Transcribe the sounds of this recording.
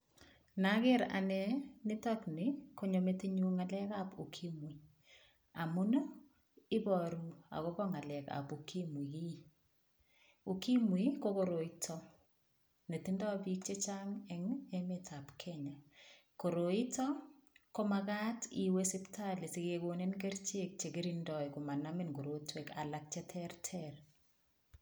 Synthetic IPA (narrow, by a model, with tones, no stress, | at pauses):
na˦ke˦ɾa̰nɛnɪ˦tɔkni˨ko˦ɲo˨meteɲu˦ŋa˨lɛkapu˨kʰi˦mwi˨ | a˨mʊ˦n˦ | ɪ˦bɔ˨ɾma̰˨ko˦kɔ˦ŋa˨lɛ˨ka̰˨pukʰi˦mwi˨ki˦ | u˨ki˦mwikoko˨ɾo˨itʰɔ | ne˨ti˦ndɔ˦abik̚t͡ʃe˦t͡ʃaŋɛŋemɪtʰa˨pkʰɛɲa˨ | ko˨ɾo˨i˦tɔ˦ko˦maka˦tiwesi˦ptʰa˦le˨si˨kekone˦nke˦ɾt͡ʃe˦k̚t͡ʃe˨ɡi˦ɾindɔ˨jku˨ma˨namɪnɡo˨ɾo˦twe˨ka̰˨lak̚t͡ʃe˦tʰɛrtʰɛr